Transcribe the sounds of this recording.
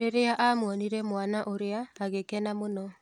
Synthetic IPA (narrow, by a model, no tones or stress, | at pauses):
eɾeaʔamwɔniɾɛmwanaʔoɾeaːɣekɛnamonɔ